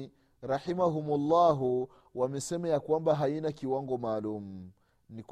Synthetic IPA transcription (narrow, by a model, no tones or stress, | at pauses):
ɾaħimaɦumulːaɦu | wamɛsɛmajakwambaɦainakiwaŋɡɔmaːlum̩ | nik